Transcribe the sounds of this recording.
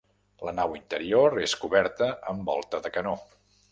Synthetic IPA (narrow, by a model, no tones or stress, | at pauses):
lənawint̪əɾioɾeskuβɛɾt̪əəmbɔ̰lˠt̪əðəkəno